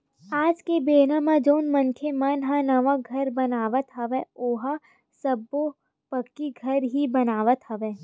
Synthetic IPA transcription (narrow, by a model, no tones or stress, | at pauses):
aːd͡ʒkebeːnãmãd͡ʒoːnmɐnkʰemanɦãnɐʋaɡʱɐɾbɐnaːʋət̪ɦɐʋeoːɦa | sɐbo | pɐkːiɡʱɐɾɦibɐnaːʋət̪ɦɐʋeː